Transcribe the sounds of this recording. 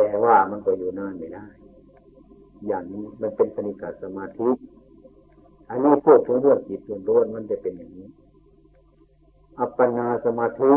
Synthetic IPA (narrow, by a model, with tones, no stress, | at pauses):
t̪ɛː˨˧waː˧˩ma˧˥˨nkɔː˧˩juː˧˩naː˧˥˨nma˧˩jda˧˥˩j | jaː˨˩ŋniː˧˥˨ma˧˥˨npe˨npʰa˧ni˧˩kaː˨˩sa˧maː˧t̪ʰi˦˥ʔ | ʔa˧˨niː˧˥˨pʰu˧˩ək̚kʰo˧˦ŋɾɯ˥˩əŋt͡ɕi˨˦t̪̚du˧˩˨ŋuː˧˨nma˧˥˨nt͡ɕa˧˩pe˨njaː˨ŋniː˦˧˥ | ʔa˧pːa˧naː˧sa˧maː˧t̪ʰi˦˥